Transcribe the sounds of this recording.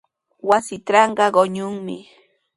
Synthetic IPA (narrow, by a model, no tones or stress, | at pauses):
wasɪʈ͡ʂɑɴɢɑɢoɲʊŋmɪ̰